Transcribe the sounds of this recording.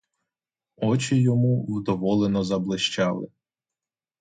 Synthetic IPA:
ɔt͡ʃɪjɔmuwd̪ɔʋɔlˠenɔzɐblˠɪʃt͡ʃɑlˠɪ̰

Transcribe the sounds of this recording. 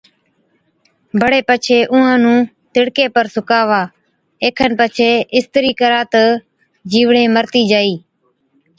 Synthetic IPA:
bʱəɽeːpət͡ʃʰeːʔʊ̃ːãːnũː | t̪ɪɽkeːpəɾsʊkaːʋaː | eːkʰənpət͡ʃʰeːɪst̪əɾiːkəɾãːt̪ə | d͡ʒiːʋɳẽːməɾt̪iːd͡ʒaːiː

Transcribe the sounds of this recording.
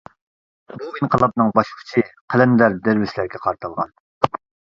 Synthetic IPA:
buinqʰəlˠɑp̚nɨŋbɑʃʰʊ̥t͡ʃʰiqʰælɛnd̪æɾd̪eɾvɪslæɾɡʲɛqʰɑɾt̪ʰɑlˠʁɑ̰n

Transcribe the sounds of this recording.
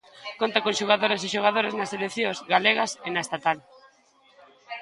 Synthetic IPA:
kont̪akõnʃoɣ̞aðoɾesiʃoɣaðoɾeznaselekθjõzɣaleɣɐsenɐest̪at̪al

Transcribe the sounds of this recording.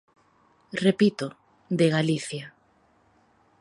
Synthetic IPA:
repit̪ʊ | d̪eɣaliθja

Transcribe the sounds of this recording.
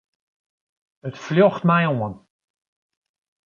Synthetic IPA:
ətfljɔxtmɛjoən

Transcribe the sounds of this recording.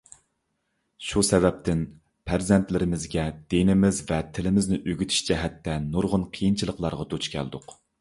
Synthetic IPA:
ʃusɛvɛp̚t̪ʰɪn | pʰæɾzɛnt̪lɪɾɪmɪzɡʲɛd̪̥enɪmɪzvɛt̪ʰɪlɪmɪznɪʔøɡʲyt̪ʰy̥ʃt͡ʃʰɛɦɛt̪ːɛnuɾʁʊnqʰijint͡ʃʰilˠəqlˠɑɾʁɑd̪ot͡ʃkʲʰɛ̰ld̪ʊq

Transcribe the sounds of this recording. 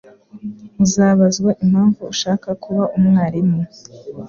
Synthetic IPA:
izaβazɡwaʔim̥haːɱvuːʃaːkakʰuβaumŋaːɾimŋu

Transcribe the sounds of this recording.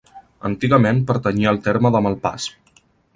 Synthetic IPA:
ə̰nt̪iɣəmenpəɾt̪əɲiəlˠt̪eɾməðəməlˠpa̰s

